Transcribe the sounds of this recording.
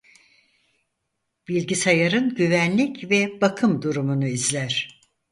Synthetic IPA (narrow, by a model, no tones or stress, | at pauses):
b̥ilʲɟisajaɾɯnɟyvænlʲicvɛbakʰɯmd̪uɾumunuizlʲæɾ̝̥